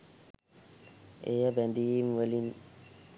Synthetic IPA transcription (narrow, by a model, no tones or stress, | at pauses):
ejəbænd̪ijimʋəlin